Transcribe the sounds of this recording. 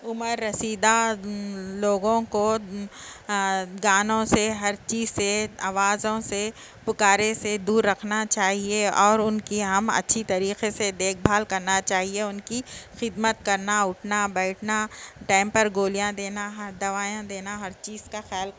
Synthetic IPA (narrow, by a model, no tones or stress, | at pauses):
ʊməɾːɐsiːd̪a | loːɡõko | ɡaːnõseɦɐɾt͡ʃiːzseaːʋaːzõse | pʊkaːɾesed̪uːɾːɐkʰnat͡ʃaːɦieɔːɾʊnkiɦɐmɐ̰tːʃʰit̪ɐɾiːqesed̪eːk̚ʰbʱaːlkɐɾnat͡ʃaːɦieʊnkixɪd̪mət̪kɐɾnaʊʈʰnabɛːʈʰnaʈãːɪmpɐɾɡoːlijãd̪eːnaɦɐɾd̪ɐʋaːjãd̪eːnaɦɐɾt͡ʃiːz̥kaxjaːl